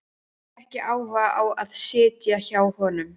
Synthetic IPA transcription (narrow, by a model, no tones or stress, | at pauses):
ɛhcɪʔaːwvaawaðsɪːt̪jaçaːwhɔːnʏm